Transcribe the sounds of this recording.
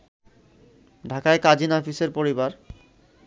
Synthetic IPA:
ɖʱakaekad͡ʑinɔfiseɾpoɾibaɾ

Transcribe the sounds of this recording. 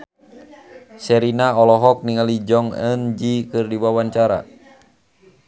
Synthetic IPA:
sɛɾinaɔlɔɦɔk̚niŋalid͡ʒɔŋə̰nd͡ʒikɨrdiwawant͡ʃaɾa̰

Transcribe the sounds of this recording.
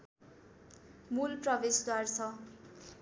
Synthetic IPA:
mulprʌbesd̪wart͡sʰʌ

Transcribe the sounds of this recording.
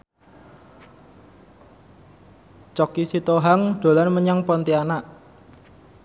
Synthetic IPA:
t͡ʃɔkisit̪oɦaŋd̪̥o̤lanməɲaŋpɔnt̪ianaʔ

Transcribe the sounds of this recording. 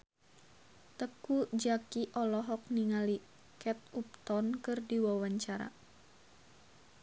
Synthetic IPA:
t̪əkud͡ʒakiʔɔlɔɦɔk̚niŋali | kɛt̪̚up̚t̪ɔnkɨrdiwawaɲt͡ʃaɾa̰

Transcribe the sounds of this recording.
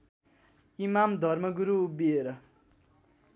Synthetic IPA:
imamd̪ʱʌrmʌɡuɾuːbieɾʌ

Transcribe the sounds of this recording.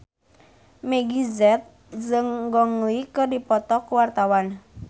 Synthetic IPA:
meɡizɛt̪̚ | zəŋɡɔŋlikədipɔt̪ɔkuwart̪awan

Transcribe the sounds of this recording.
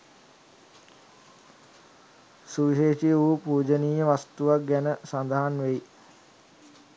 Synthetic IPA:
suʋiʃeːʃijuːpuːd͡ʒəniːjəʋast̪uʋak̚ɡænəsand̪əɦanʋeji

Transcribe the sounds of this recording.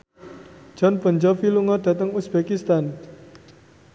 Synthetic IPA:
ʒ̥ɔnb̥ə̤ɲd͡ʒɔfiluŋɔɖ̥ä̤t̪əŋusb̥ekist̪an

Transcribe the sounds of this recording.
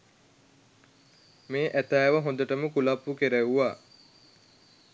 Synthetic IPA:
meːʔæt̪æːʋəɦõnd̪əʈəməkulapːukeɾeʋuʋa

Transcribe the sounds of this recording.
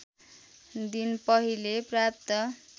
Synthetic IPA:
d̪inpʌɦileprap̚t̪ʌ

